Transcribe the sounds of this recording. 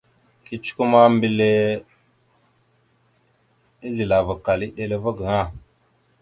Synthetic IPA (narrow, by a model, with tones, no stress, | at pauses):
ki˦t͡ʃu̥˦ku˦ma˦mbi˦le˦ | i˦ɮi˨la˨va˨ka˨li˦ɗe˦le˦va˦ɡə˨ŋa˦˨